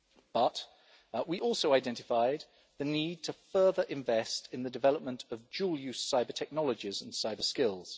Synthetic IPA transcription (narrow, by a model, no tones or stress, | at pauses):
b̥ʌʔ | wiʔɔˑlˠsəʊaɪdɛ̃ntɪfaɪd̪̚ | ðəniːd̚tʰəfɜːðəɹʔɪ̃ɱvɛstɪ̃nðədɪvɛləp̚mə̃ntʰəvd͡ʒuːlˠjʉssaɪbətʰɛk̚nɒləd͡ʒɪzə̃n̩saɪbəskɪlˠz̥